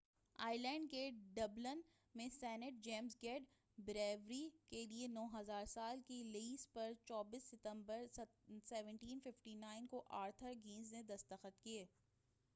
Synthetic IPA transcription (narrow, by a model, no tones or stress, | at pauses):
a̰ːɪlɛ̃ːɳɖ̚keɖɐblən | mẽsɛːnɪʈ̚d͡ʒeːmzɡɛːɖ | bɪɾeːʋɾikelienɔːɦɐzaːɾsaːlkileiːspɐɾt͡ʃɔːbiːsːɪt̪ə̃mbəɾsɛːʋə̃ɳʈiːnfɪfʈinaːɪnkoʔaːɾt̪ʰəɾɡĩːnzned̪ɐst̪əxət̪kieː